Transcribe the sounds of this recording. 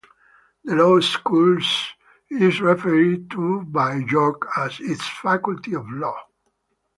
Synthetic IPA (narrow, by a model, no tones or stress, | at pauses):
d̪əloʊskuls | izɹɛfɛɹid̚t̪ubajd͡ʒɔkæzitsfakult̪iɔvlɔ